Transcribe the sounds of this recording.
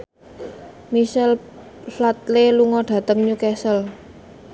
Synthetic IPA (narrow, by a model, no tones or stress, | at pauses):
miʃɛl | flat̪leluŋɔɖ̥ä̤t̪əŋɲukɛsəl